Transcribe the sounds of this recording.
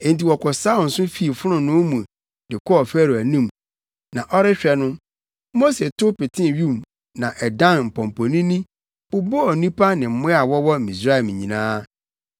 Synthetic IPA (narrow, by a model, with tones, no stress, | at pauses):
ẽ˨n˨ti˨wɔ˨kʰɔ˨sa˦ɔ˨n̩˨sʊ̃˦fi˦˨fʊ˦ɾʊ̃˨nʊ̃˦mũ˨ | dɪ˨kʰɔ˦ɔ˨fæ˦ɾu˨æ˨nĩ˦˨m | nã˨ʔɔ˦ɾɪ˦ɕᶣɛ˨nʊ̃˦ | mo˦se˨tʰʊ˦pɪ˨tʰɪ̃˦˨ɥu˦˨m | nã˨ʔɛ˨dã˦nm̩˨pʰɔ̃˨m˨pʰo˨nĩ˦nĩ˦ | ʊ˦bɔ˦ɔ˨nĩ˦pʰa˦nɪ̃˨m̩˨˦mʊ̃˦a˨wɔ˦wɔ˦˨ĩ˨sɾa˦ɛ˨m˨ɲĩ˨nãː˦